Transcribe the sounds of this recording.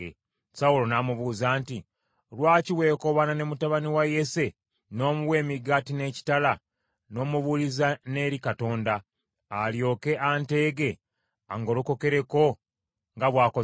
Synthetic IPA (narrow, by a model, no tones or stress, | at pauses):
e | saulo̞namuβuːzaːnti | lwaːciwe̞ːko̞βananemutaβaniwaje̞se̞ | no̞ːmuwe̞ːmiɡaːtine̞ːci̥tala | no̞ːmuβulizane̞ːɾikato̞ːndaː | ljo̞ːke̞ʔante̞ːɡe̞ | aŋɡo̞luko̞ke̞ɾe̞ko̞ | ŋɡaβwaːko